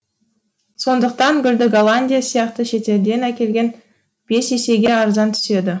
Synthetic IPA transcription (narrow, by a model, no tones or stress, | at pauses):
so̞nd̪əq̚t̪ɑŋɡʲʏld̪ɪɡolˠanʲdʲijasijɑq̚t̪əʃe̞t̪e̞ɾd̪e̞nækʲe̞lɡʲe̞n | b̥e̞se̞se̞ɡʲe̞ɑɾzɑnt̪ʰʏ̥se̞d̪ɪ